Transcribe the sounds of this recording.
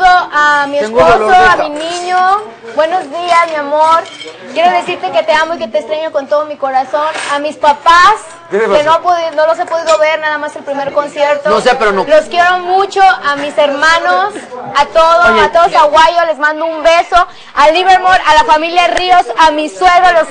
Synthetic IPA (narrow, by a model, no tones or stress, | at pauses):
oʔamiesposoaminĩɲo | bwe̞no̞zðiasmjamoɾkje̞ɾoðe̞siɾt̪e̞ke̞t̪e̞amoiket̪est̪ɾeɲoko̞nt̪o̞ðomiko̞ɾaso̞namispapas | kenoapoðino̞los̬epo̞ðiðo̞βe̞ɾnaðamaselpɾime̞ɾko̞nsjeɾt̪onosepeɾooloskje̞ɾomut͡ʃo̞ʔamiseɾmãnosat̪o̞ðoat̪oðosaɣwajole̞zmãnd̪oumbe̞so̞ | aliβeɾmoɾalafamiljaðriosamisweɣɾoalos